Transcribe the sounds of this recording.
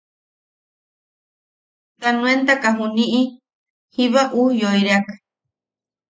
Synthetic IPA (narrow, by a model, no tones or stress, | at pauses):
k̪anũent̪akaɦunĩʔi | hiβaʔujoiɾeakḁ